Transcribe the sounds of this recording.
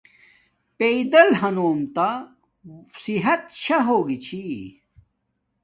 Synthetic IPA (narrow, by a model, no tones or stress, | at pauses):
peid̪ɐlɦɐnoːmt̪a | siɦɐt̪ɕʰɐɦoːɡit͡ɕʰi